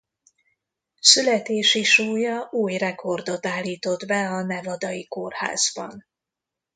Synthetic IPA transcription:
sylɛt̪eːʃiʃuːjɒʔuːjrɛkʰo̞rd̪o̞t̪aːlːiːt̪o̞d̪bɛɒnɛvɒd̪ɒjikorha̰ːz̥bɒ̰n

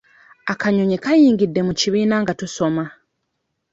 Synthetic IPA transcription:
akaɲoɲikajiːŋɡidːe̞muciβiːnaŋɡatuso̞ma

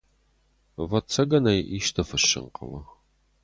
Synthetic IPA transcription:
vɐt͡sʰɐɡɐnɐjʔiʃt̪ʰɐfɨʃɪ̰ŋqʰə̰lɐ

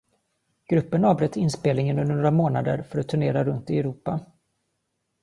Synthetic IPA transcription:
ɡ̥ɾɵpːənɑːvbɾɛt̪ʰːɪnspeːlnɪŋənəɵnd̪əɳoːɾamoːnad̪ə̰ɾfœɾat̪ʰːɵɳeːɾaɾɵnt̪ɪɛɾuːpa

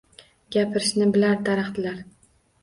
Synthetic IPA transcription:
ɡʲapʰɪɾɪʃnɪbɪlaɾd̪aɾɑχt̪ɪlaɾ

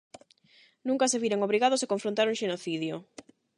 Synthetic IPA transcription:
nũŋkaseβiɾeŋoβɾiɣaðose̥koɱfɾõnt̪aɾuŋʃenoθiðjo

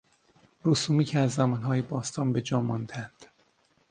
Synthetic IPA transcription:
ruːsuːmiːcʰeæzːæmɒːnɦɒːjebɒːst̪ʰɒːnbe̞d͡ʒɒːmɒnd̪eænd̪̥

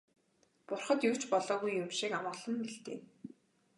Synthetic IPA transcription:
pʊrχə̆t̪juw̥ʰt͡ɕpɔɮɔːɣujːʊmʃikamaːɮə̆mpiɬt̪ḛːn

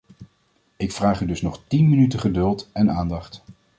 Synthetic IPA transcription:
ɪkfraːχydɵsnɔχtinmənytəχədɵlˠtɛnaːndɑχt

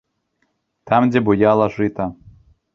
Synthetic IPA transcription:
t̪ɑmdʲebujɑlˠɑʐɨt̪ɑ

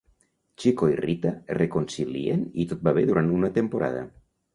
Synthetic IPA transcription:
t͡ʃikoirit̪arekonsilḭḛnit̪ot̪̚baβ̞eðuɾʔant̪unat̪empoɾa̰ð̞a̰

